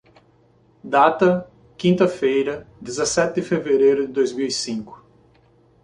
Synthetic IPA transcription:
d̪at̪ɐ | kĩnt̪ɐfejɾɐd̪ezɐsɛt̪ɪd̪ɪfeveɾejɾʊd̪ɪd̪ojzmiwisĩkʊ̥

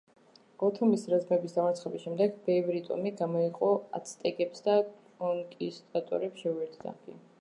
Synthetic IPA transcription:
ɔt̪ʰɔmisɾazmɛbisd̪amaɾt̪ʰχɛbisʃɛmd̪ɛɡbɛvɾit̪ʼɔ̰miɡamɔiqʼɔa̰t̪sʰt̪ʼɛkʼɛpsd̪akʼɔnkʼist̪ʼat̪ʼɔ̰ɾɛpsʃɛuɛɾt̪ʰd̪a̰ɡḭ

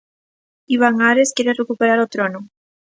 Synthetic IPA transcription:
iβ̞aŋaɾeskjeɾerekupeɾaɾot̪ɾono

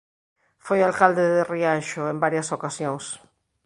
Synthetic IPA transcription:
fojalkald̪eðeriaʃoembaɾjɐsokasjoŋs

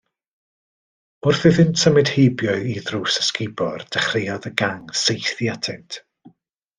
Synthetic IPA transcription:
ʊrθɨðɪntsəmɨd̥hejbjɔɨiðruːsə̥skɪbɔrd̥ɛχrɪjɔðəɡaŋsejθjatʰɪntʰ

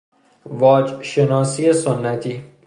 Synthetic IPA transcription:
vɒːd͡ʒʃenɒːsiːesonːæt̪ʰiː

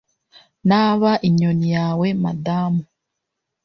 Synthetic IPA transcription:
naβaʔiɲonijaːwe̞ma̰daːmu

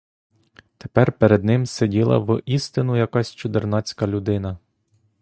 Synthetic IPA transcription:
t̪e̥pɛrpeɾed̪nɪmsedʲilˠɐ̰ʋʔist̪ɪnʊjɐkɑsʲt͡ʃʊd̪ɪrnɑt͡sʲkɐlʲʊd̪ɪnɐ

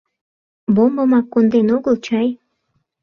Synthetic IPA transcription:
bombɤ̆mɑkːond̪enoɣəlt͡ɕɑj

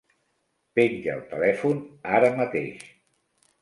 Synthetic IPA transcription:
peɲʲʒə̰lˠt̪əlɛfunaɾəmət̪ḛʃ

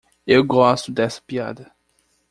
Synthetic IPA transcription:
ewɡɔst̪ʊd̪ɛsɐ̥pia̰d̪ɐ

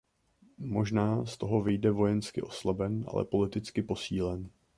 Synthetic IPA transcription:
mo̞ʒnaːst̪o̞ɦo̞vɪjdɛvo̞jɛnskɪ̰ʔo̞slabɛnʔa̰lɛ̰po̞lɪt̪ɪt͡skɪpo̞siːlɛn

